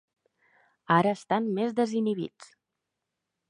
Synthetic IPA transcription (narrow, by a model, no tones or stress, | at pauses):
aɾəːst̪anmezðəziniβḭt͡s